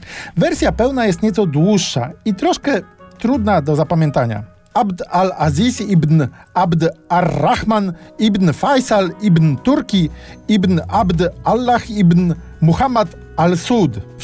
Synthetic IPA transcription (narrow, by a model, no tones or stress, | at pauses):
vɛɾsʲjapɛwnajɛst̪ɲɛt̪sɔd̪wuʂːa̰it̪ɾɔʂkɛt̪ɾud̪nad̪ɔzapamʲjɛnt̪aɲa̰ | abd̪alazʲisibnabd̪arːaxmanibnfajsalibnt̪uɾkʲiibnabd̪alːaxibn | muxamat̪ | alsud̪